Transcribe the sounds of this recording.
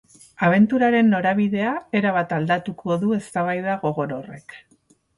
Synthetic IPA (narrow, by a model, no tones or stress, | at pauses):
aβ̞e̞nt̪uɾaɾe̞nːo̞ɾaβiðe̞ae̞ɾaβ̞at̪ald̪at̪ukʰo̞ðue̞st̪aβ̞ajðaɣo̞ɣo̞ɾo̞re̞k